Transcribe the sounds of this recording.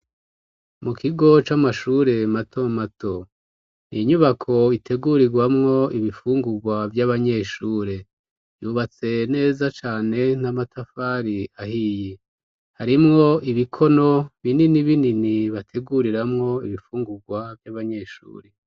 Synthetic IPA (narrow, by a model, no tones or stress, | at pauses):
mukʰiɡo̞t͡ʃamaʃuːɾe̞matʰo̞matʰo̞ | niɲuβakʰo̞itʰe̞ɡuɾiɡwamŋo̞iβifuːŋɡuɡwavjaβaɲe̞ːʃuːɾe̞ | juβat͡se̞ne̞ːzat͡ʃaːne̞n̥amatʰafaːɾiahije | haɾimŋo̞iβikʰo̞no̞βininiβininiβatʰe̞ɡuɾiɾamŋo̞iβifuːŋɡuɡwavjaβaɲe̞ːʃṵːɾe̞